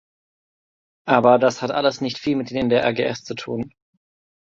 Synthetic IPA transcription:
ʔaːbɐdashatʔa̰ləsnɪçtfiːlmɪt̚d̥eːmndeːɐʔɛ̰ɐɡeːʔɛst͡sutʰṵːn

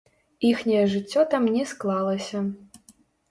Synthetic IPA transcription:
ixnʲɐjɛʐɨt͡sʲːɔt̪amnʲɛsklˠalˠɐsʲɐ

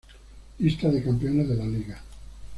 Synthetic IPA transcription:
list̪aðekampeoneðelaliɣa

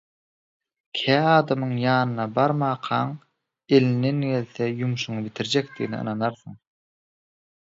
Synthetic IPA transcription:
kʲʰæːɑːd̪ɑmɯɴjɑːnɯnɑbɑɾmɑːqʰɑɴ | e̞lind̪e̞nɡe̞lθejumʃuɴɯbit̪ʰiɾd͡ʒekd̪iɣnḭɯ̰nɑnɑɾθɯɴ

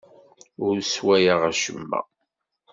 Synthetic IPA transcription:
ʊɾswæjaʁæʃəmːæ̰

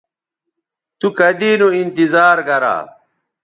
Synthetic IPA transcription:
t̪ukɐd̪iːnuint̪izaːɾɡɐɾa̰ː

